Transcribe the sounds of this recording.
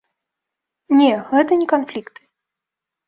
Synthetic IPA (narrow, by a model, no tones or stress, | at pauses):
nʲɛɣɛt̪ɐnʲɛkanflʲikt̪ɨ̥